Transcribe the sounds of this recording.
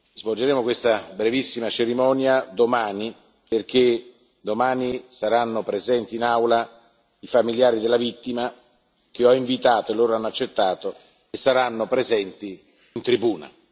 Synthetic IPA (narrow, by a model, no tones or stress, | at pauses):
zvold͡ʒeɾeːmokwest̪abɾevisːimat͡ʃeɾimɔːnjad̪omaːni | perk̟e | d̪omaːnisaɾanːopɾezɛnt̪iːnawla | ifamiljaːɾid̪elːavit̪ːima | k̟eɔiɱvit̪aːt̪oelːoːɾoanːoat͡ʃːet̪ːaːt̪o | esːaɾanːopɾezɛnt̪iː | nt̪ɾibuːna̰